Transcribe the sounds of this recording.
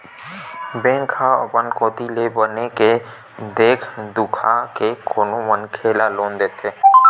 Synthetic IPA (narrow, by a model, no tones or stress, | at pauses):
bẽːŋkʰaə̰pənkoːt̪ilebəneke | d̪eːkʰd̪ʊkʰakekoːnomənkʰeːlaloːnd̪eːt̪ʰeː